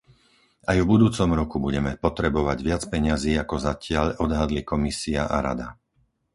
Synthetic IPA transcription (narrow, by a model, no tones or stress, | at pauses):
ajvbud̪uːt͡sɔmɾɔkubuɟɛmɛpɔt̪ɾɛbɔʋaɟʋɪat͡spɛɲɪaziːakɔzacɪaʎɔd̪ɦad̪likɔmisiaʔaɾa̰d̪a